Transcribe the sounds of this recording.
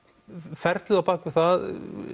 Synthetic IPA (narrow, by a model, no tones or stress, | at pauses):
fɛɾt̪lɪlapaːkvɪ̥θað